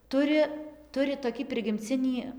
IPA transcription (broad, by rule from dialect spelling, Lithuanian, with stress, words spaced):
ˈtʊrʲɪ ˈtʊrʲɪ toːˈkʲiː pʲrʲɪɡʲɪmʲˈt͡sʲɪnʲiː